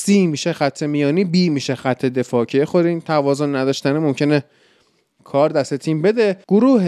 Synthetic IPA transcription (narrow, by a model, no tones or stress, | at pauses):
siːmiʃexæt̪ʰːemijɒːniːbiːmiʃexæt̪ʰːe̞d̪e̞fɒːcʰejexoɾint̪ʰævɒːzonːæd̪ɒːʃt̪ænemomcʰe̞ne | kʰɒːɾd̪æst̪e̞t̪ʰiːmbe̞d̪eɡ̥oɾuːh